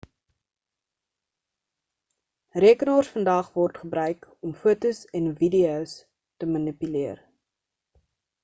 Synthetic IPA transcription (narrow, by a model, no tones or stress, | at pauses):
riəkənɑːrsfəndɐχvɔrtχəbrœɥkɔmfuətusɛnvidios | təmɐnipyliər